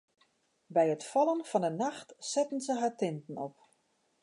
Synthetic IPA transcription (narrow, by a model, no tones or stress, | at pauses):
bɛjətfɔlˠənfɔnənaxtsɛtən̩zəɦaːtɪntən̩ɔp̚